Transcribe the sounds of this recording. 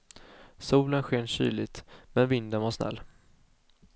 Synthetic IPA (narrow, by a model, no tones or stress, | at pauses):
suːlənɧeːnɕy̰ːlɪt̪mɛnvɪnd̪ənvaʂnɛ̰lː